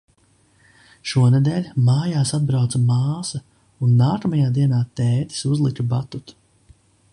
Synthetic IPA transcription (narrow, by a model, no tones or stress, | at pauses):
ʃuɔned̪ɛːlʲmaːjaːsad̪̚bɾawt̪sɐmaːsɐ | unːaːkamajaːd̪iɛnaːt̪ɛːt̪i̥suzlˠikubat̪ut̪